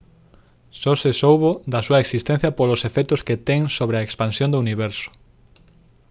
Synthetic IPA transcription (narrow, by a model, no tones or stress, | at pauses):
sosesowβod̪ɐsuɐeksist̪en̟θjɐpolʊsefɛk̚t̪ʊsket̪ɛŋsoβɾeɐekspansjõnd̪ouniβɛɾsʊ̥